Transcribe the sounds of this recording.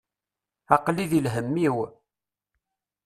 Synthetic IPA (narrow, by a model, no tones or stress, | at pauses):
ɑqliðilɦəmːiw